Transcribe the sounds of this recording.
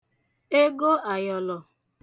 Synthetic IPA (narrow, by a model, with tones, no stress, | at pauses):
e˦ɡo˦a˨jɔ˨lɔ˨